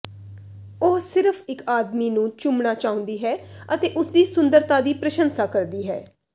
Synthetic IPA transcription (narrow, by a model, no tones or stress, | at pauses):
oɦsɪɾəfʰɪkaːd̪miːnũːt͡ʃʊmnaːt͡ʃaːʊ̃ːnd̪iːɦɛːət̪eːʔʊsd̪iːsʊnd̪əɾt̪aːd̪iːpɾəʃənsaːkəɾd̪iːɦɛ̰ː